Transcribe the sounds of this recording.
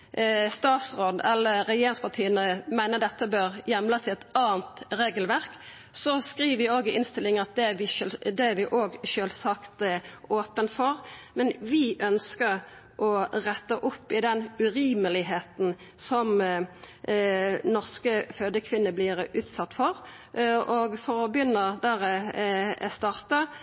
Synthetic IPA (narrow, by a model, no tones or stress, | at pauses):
st̪ɑːt̪sʁoːd̪ɛlːəɾɛjeːɾɪŋspɑʁt̪ʰiːənəmæɪnəd̪ɛt̪ːəbøːʁjɛmlɑsɪɛt̪ɑːənt̪ʁeːɡəlʋæʁk | sɔskʁiːʋəʋɪoːɡəʔɪnst̪ɪlːɪŋɑt̪̚d̪ɛʋɪd̪ɛʋɪʔoːɡʃøːlsɑkt̪oːpənfɔʁmɛnʋɪʔœnskəʁ | ʔɔʁɛt̪ːəʔʊpːɪd̪ɛnʉɾiːməlɪɦeːt̪n̩ | sɔm | nɔʁskəføːd̪əkʰʋɪnːəblɪɾʉːt̪sɑt̪ːfɔɾ | ɔɡfɔɾɔbjʏnːəd̪æʁɛ̰ | st̪ɑːʁt̪ə